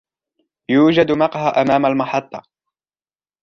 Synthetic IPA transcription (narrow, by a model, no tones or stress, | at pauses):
juːd͡ʒad̪mɑqhaʔamaːmalmɑħɑt̪ˤːɑ